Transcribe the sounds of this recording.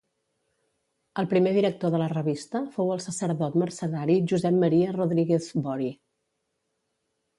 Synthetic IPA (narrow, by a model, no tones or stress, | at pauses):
əlˠpɾimeðiɾək̚t̪oðələrəβist̪əfowəlˠsəsəɾðɔt̪mərsəðaɾiʒuzɛmmːəɾiəroðɾiɣezbɔɾi